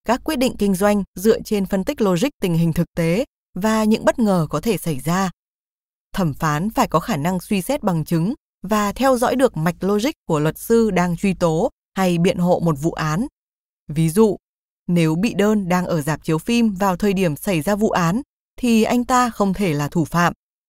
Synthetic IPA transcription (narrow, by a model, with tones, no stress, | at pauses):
kaː˦˥kwi˦˥t̚ɗḭ˧˨ŋ̟kï˧ŋ̟zwa˧jŋ̟zɨ̰˧˨ət͡ɕe˧nfə˧nt̪ï˦˥k̚lo˧zï˦˥k̚t̪ï˨˩ŋ̟ɦï˨˩ŋ̟t̪ʰɨ˨˩k̚t̪e˨˦ | vaː˨˩ɲɨ̰˧˥ŋɓə˦˥t̚ŋəː˨˩kɔ˨˦t̪ʰe˧˩sa˧˩jzaː˧ | t̪ʰə˧˩mfaː˨˦nfaː˧˩jkɔ˨˦xaː˧˩na˧ŋswi˧sɛ˦˥t̚ɓa˨˩ŋt͡ɕɨ˨˦ŋ | vaː˨˩t̪ʰɛ˧wzɔ̰˧˥jɗɨ˨˩ək̚ma˨˩jk̟̚lo˧zi˦˥k̚kːu˧˩əlwə˨˩t̚sɨ˧ɗaː˧ŋt͡ɕwi˧t̪o˨˦ | ha˧jɓḭ˧˨ənɦo̰˧˨mo˨˩t̚vṵ˧˨ʔaː˨˦n | vi˨˦zṵ˧˨ | ne˨˦wɓḭ˧˨ɗəː˧nɗaː˧ŋʔəː˧˩zaː˨˩p̚t͡ɕi˨˦əwfi˧mvaː˨˩wt̪ʰəː˨˩jɗi˧˩əmsa˧˩jzaː˧vṵ˧˨ʔaː˨˦n | t̪ʰi˨˩ʔa˧jŋ̟t̪aː˧xə˧wŋ͡mt̪ʰe˧˩laː˨˩t̪ʰu˧˩fa̰ː˧˨m